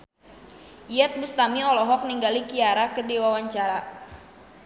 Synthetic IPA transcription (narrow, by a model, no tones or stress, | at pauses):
iɛt̪̚bust̪amiɔlɔɦɔk̚niŋɡalikiaɾakədewawaɲt͡ʃaɾa